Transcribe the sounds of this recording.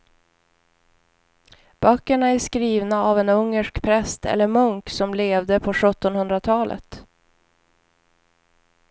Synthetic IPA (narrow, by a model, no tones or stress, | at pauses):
b̥œkːəɳaæʂkɾiːvnaavɛnɵŋːəʂkpʰɾɛst̪ʰɛ̰lːəɾmɵŋksɔmleːvd̪əpʰɔɧɵt̪ːɔnhɵnd̪ɾat̪ʰɑːlʔə̰t̪